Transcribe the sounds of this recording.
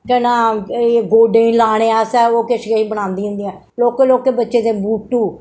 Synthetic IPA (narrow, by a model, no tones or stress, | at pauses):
kɛnãːeɡoːɖẽːĩːlaːɽ̃ẽːɛːsɛːoːkeʃɡeːĩːbəɽ̃ãːnd̪iːɦʊ̃nd̪iːɛ̃ː | loːkeːloːkeːbətːʃeːd̪ẽːbuːʈːuː